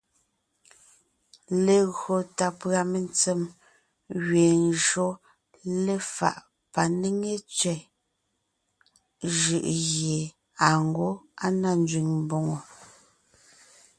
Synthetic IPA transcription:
le˨ɣɰo˨ta˨pɰa˨me˨nt͡se˦m | ɣɥeː˨nʒɰo˦ | le˦fa̰˨ʔ | pa˨ne˦ŋe˦t͡sɥɛ˨ | ʒɯ˨ʔɣje˨ | a˨ŋ̩˦ɡo˦a˦na˦n˦d͡ʒɥi˨ŋm˦bo˨ŋo˨

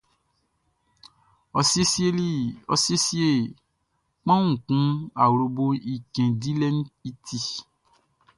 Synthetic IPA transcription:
ɔ˧se˦si˦e˦li˦ɔ̰˧se˦si˦e˦˨ | k͡pã˦wũ˦˨kũ˨˦a˨wɾo˧bo˧i˨kɛ̃˨di˦lɛ˦ñ̩˦i˦tʰi˦

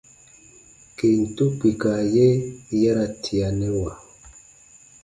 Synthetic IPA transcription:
ke˨n̩˨tu˦ki˨ka˨jɛ˦jɛ˦ɾa˦tʰi˨a˨nɛ˦wa˨

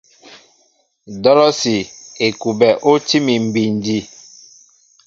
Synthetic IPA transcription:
dɔ˦lɔ˦si˨e˨ku˨bɛ˨ʔo˦ti˦mi˨m̩˨bi˨n˨di˦

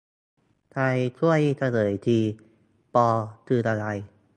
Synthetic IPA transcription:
t̪ʰa˧jt̪ʰu˥˩əjt̪ʰa˧lɤː˩˦jt̪ʰiː˧ | pɔː˧t̪ʰɯː˧˩t̪a˧ɾa˧j

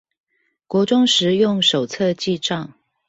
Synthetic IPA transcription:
kwɔ˧˥ʈ͡ʂʊ˥ŋʂɻ̩˧˥jʊ˥˩ŋʂo˨˩ʊt͡sʰɤ˥˧t͡ɕi˥˧ʈ͡ʂɑ˥˨ŋ

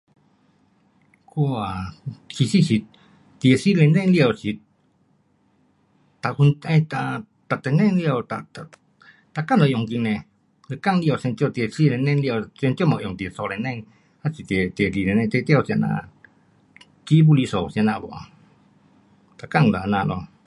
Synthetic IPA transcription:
ku˦a˨ki˧si˦si˧ | t̪i˧e˧si˦lɛ˧nɛ˦˧ŋli˧a˨wsi˧t | t̪a˨ku˧na˧t̪a | t̪a˨t̪e˧nɛ˦ŋli˧a˧wt̪at̪a | t̪a˧ka˦no˨jɔ˧˨ŋki˧nɛ˧ | le˧ka˦ŋli˧a˧wse˧nt̪jo˧t̪e˧si˦le˧nɛ˧ŋli˧a˧wse˧nt̪o˦ma˧ʔo˨ŋt̪i˧e˨so˧le˧nɛ˦˧ŋ | ha˦si˧t̪e˧t̪i˧e˧li˧le˧nɛ̃˧t̪ɛ˧t̪ja˧wsi˧a˧na̰˧ | t͡ʃi˦bu˧li˧so˨si˧a˧na˧bo̰˨a̰˨ | t̪a˧ka˧ŋla˨˧na˧lo˧

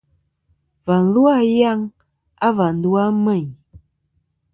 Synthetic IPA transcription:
va˨n̩˦lu˦a˦ja˦ŋ | a˦va˨n̩˨du˦a˦mɛ˦˨ɲ

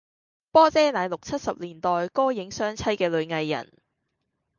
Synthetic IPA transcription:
pɔː˥t͡sɛː˥naː˨˧jlʊ˨k̚t͡sʰɐ˥t̚sɐ˨p̚liː˨˩nt̪ɔː˨jkɔː˥jɪ˨˥ŋsœː˥ŋt͡sʰɐ˥jkɛː˧lɵ˨˧ɥŋɐ˧jːɐ̰˨˩n

